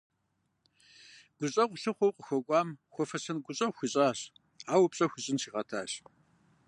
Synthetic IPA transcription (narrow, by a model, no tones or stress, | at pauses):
ɡ̥ʷʊɕʼɐqʷɬɨχʷɔwqʷʼəxʷɔkʷʼɑːmxʷɔfɐsɐnɡʷʊɕʼɐxʷɪɕʼaːɕ | aːwʊpɕʼɐxʷʊɕʼɪnʃiːʁɐtʰa̰ːɕ